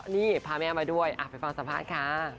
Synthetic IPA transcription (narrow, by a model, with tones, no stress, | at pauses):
niː˥˩pʰaː˧mɛː˧wmaː˧du˥˩əjʔa̰˨˩t̪̚pa˧˩fa˧ŋsa˨˦mpʰaː˧˥˩t̪̚kʰaː˦˥˩